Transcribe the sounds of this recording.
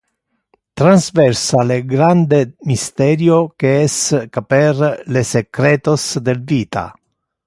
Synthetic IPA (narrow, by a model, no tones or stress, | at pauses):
t̪ɾanzvɛrsaleɡɾand̪emist̪ɛɾjokeɛskaperlesekɾɛːt̪osd̪elviːt̪a̰